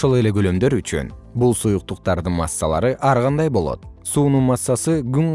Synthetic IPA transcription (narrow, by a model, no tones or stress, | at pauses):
ʃolˠele̞ɡølø̞md̪ø̞ɾyt͡ʃy̰n | bulˠsujuq̚t̪uqt̪ɑɾd̪ɯnmɑ̰sːɑ̰lˠɑ̰ɾɯʔɑɾʁɑnd̪ɑjbo̞lˠo̞̰t̪̚suːnunmɑsːɑsɯɡyŋ